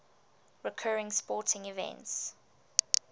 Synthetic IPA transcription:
ɹɪkʰɜːɹɪ̃ŋspɔˑtʰɪ̃ŋivɛ̰̃nts

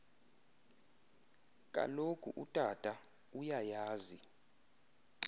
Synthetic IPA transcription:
kʼa̰lokʰʼuʔutʼatʼa | ujajaːzi

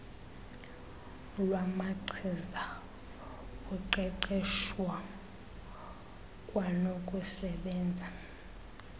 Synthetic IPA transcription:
lwamaǀʰiza | uǃɛǃɛʃwa | kʼwanokʼusɛɓɛːnd͡zʱa

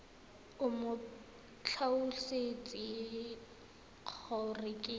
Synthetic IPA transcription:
ʊmʊ | t͡ɬʰaʊset͡sʼɪ | q͡χʰɔrɪkʼɪ

